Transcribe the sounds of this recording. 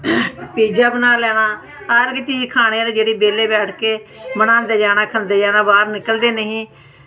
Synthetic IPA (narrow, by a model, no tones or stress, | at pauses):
piːd͡ʒaːbənaːlɛːɽ̃aː | əɾɡt͡ʃiːd͡ʒkʰaːɽ̃eːɾeːd͡ʒeːɽiːbeːleːbɛːʈʰkeːmənãːnd̪eːd͡ʒaːɽ̃aːkʰənd̪eːd͡ʒaːnaːbaːɾnɪkəld̪eːnəɦĩː